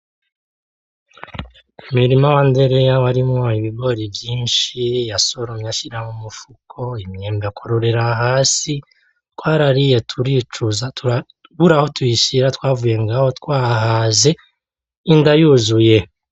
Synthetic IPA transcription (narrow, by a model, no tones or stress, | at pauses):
umiɾimawande̞ɾejawaɾimŋoiβiɡo̞ɾivjiːnʃijaso̞ɾomɲaʃiɾamumufukʰo̞imɲeːmbekʰoɾoɾe̞ɾaɦaːsi | tkwaːɾaɾije̞tʰuɾit͡ʃuzatua | βuɾaho̞tujiʃiɾatwaːvuje̞ŋɡaho̞tkwaːɦaze̞ | indajuzuje̞